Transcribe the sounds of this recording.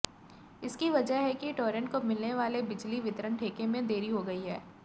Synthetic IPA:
ɪskiʋɐd͡ʒəɦɦɛkiʈoːɾə̃ɳʈ̚komɪlneʋaːlebɪd͡ʒliʋɪt̪əɾəɳʈʰeːkemẽd̪eːɾiɦoɡɐiɦɛː

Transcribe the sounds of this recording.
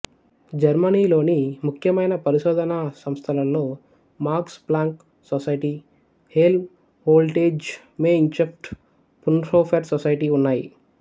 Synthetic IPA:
d͡ʒɐɾmɐniːlo̞ːnimukʰjɐmɐjnɐpɐɾiʃɔːd̪ɐnɐsɐmst̪ʰɐlɐnlo̞ː | maːɾksplaːŋk | sosɐjʈiː | hel | hoːlʈeːd͡ʒ | meːint͡ʃep̚ʈ | punɾoːpʰɐɾsɔsɐjʈiːunːaːjḭ

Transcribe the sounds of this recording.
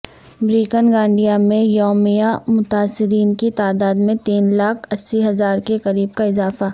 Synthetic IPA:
bɾiːkənɡãːɳɖijamẽjɔːmijamʊt̪aːsːɪɾiːnkit̪aːd̪aːd̪mẽt̪iːnlaːkʰɐsːiɦɐzaːɾkekɐɾiːb̚kaɪzaːfa

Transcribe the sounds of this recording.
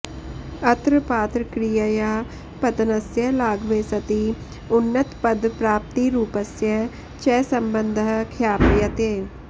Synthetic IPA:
ət̪ɾəpaːt̪ɾəkɾijəjaː | pət̪ənəsjəlaːɡʋeːsɐt̪i | ʊnːət̪pəd̪pɾaːp̚t̪iɾuːpəsjə | t͡ʃɛːsəmbənd̪ʱkʰjaːpjət̪eː

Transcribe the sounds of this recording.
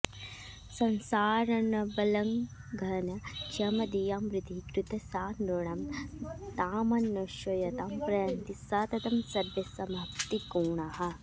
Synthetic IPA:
sɐnsaːɾɐɳɐbɐlɐŋɡʱɐnɐt͡ʃɐmɐd̪ijaːmɾit̪ikɾut̪ɐsaːnɾoɳɐmt̪aːmɐnːɐʃɐjɐt̪aːmpɾɐjɐnt̪isaːt̪ɐt̪ɐmsɐɾʋjɐsɐmɐpt̪ikuːɳɐɦɐ

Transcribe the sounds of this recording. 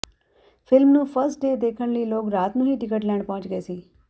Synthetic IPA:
fɪlmnũːfəɾsʈɖeːd̪eːkʰəɽ̃liːloːkɾaːt̪nũːɦiːʈɪkəʈlɛ̃ːɳɖpɐ̃ɦʋʊ̃t͡ʃɡəeːsiː

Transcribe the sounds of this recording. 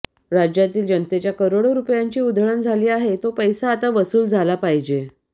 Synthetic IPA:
ɾad͡ʑjat̪iːld͡ʑənt̪et͡ɕjakəɾoɽoɾupjaɲt͡ɕiːud̪ʱəɭənd͡zʱaliːaɦet̪opəjsaːt̪aʋəsuːld͡zʱalapaɦid͡ʑe

